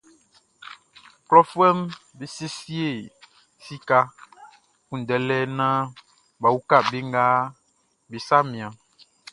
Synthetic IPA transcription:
klɔ˦fu˦ɛ˦m | be˨se˦si˦e˦˨ | si˦ka˦ | kũ˨dɛ˨lɛ˦nã˦ | ba˨wu˦ka˦˨be˦ŋɡa˦ | be˨sa˦mĩ˨ã˨

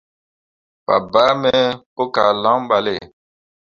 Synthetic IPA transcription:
pa̰˨ba˦mɛ˦po˦ka˨lã˦ɓa˨le˦˨

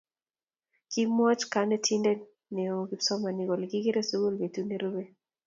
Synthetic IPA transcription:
ki˦mɔ˦t͡ʃka˦nɛ˦tʰi˦ndɛ˦ | ne˨o˨ɡi˦sɔ˦ma˨ni˨ɡɔ˨lɡɪ˦ɡi˦ɾe˦so˦ɡo˦lbe˨tu˦ne˦ɾo˦be˦

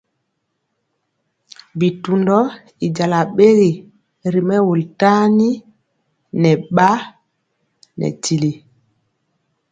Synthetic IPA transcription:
bi˨tundɔ˦ | i˨d͡ʒa˨la˨ɓe˦ɡi˨ | ɾimɛ˦wu˨lta˦ni | nɛɓa˦ | nɛ̰ti˨li˨

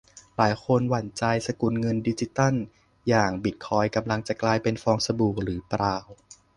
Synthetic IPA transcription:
laː˩˦jkʰo˧nwa˨˩˦nt͡ɕa˧jsa˧ku˧˩nŋɤ˧ndiː˧t͡ɕi˧˦t̪a˥˩˨n | jaː˨˩ŋbi˨˩t̪̚kʰɔː˧jka˧mla˧ŋt͡ɕa˨˩klaː˧jpe˧nfɔː˧ŋsa˧buː˨˩k̚ɾɯː˩˦pɾaː˧w

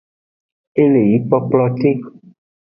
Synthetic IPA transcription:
e˦le˨ji˨˦k͡pɔ˦k͡plɔ˦t̪e˦

